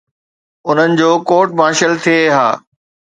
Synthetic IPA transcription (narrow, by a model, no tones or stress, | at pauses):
ʊn̤ənɪ̆d͡ʑoːkoːʈ̚maːʃəlt̪ʰieɦa̰ː